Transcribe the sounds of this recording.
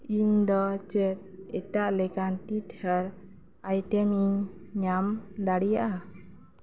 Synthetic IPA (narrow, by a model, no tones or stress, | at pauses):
iɲd̪ɔt͡ʃɛt̪̚ɛʈaʔlɛkanʈithaəɾ | ajʈɛmiɲːamd̪aɽijaʔa